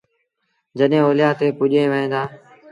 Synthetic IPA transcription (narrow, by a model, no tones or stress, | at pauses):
d͡ʒəɗɦẽːoːlɪjaːt̪ʰeːpʊʄẽːʋəɦẽːnd̪aː